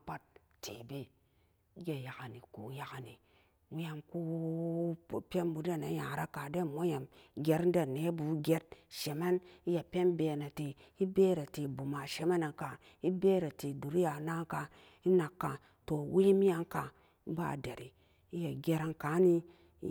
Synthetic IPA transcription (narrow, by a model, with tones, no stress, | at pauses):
pa˦t̚ | tḛ˨be˨˦ | ɡe˨ja˨ka˨ni˨ku˨˦ja˨ka˨ni˨ | wi˦ja˧mku˦˨ | pʲe˦nbu˨˦da˦˨na˨˦ja˨ɾa˦ka˨de˦˨mʷo˦ja˨mɡʲe˦ɾn̩˦da˨ne˨˦bu˨˦ɡʲe˦t̚ʃe˨me˦ni˦ja˨pʲe˦nbeː˨na˨te˨ | i˦beː˦ɾa˨te˨bu˨ma˨ʃe˨me˦na˨ka˨ | i˦be˦ɾa˨te˨du˨ɾi˦ja˨na˦ŋka˧ | i˦na˨kːa˨ | to˨wi˦mi˦ja˦ŋka˨˦ | ba̰˦˨de˨ɾi˨ | i˦ja˨ɡʲe˧ɾa˧nka˨˦ni˧˦